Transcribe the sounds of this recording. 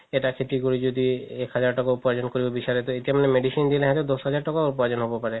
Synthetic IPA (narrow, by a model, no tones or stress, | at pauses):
eʈakʰet̪ikoɾid͡ʑod̪iekɦad͡ʑaɾʈɔkauped͡ʑonkoɾibobiʃaɾet̪oet̪iamanemeɖisind̪ileɦɛt̪ed̪ɔsɦad͡ʑaɾʈɔkaupɔed͡ʑonɦobopaɾe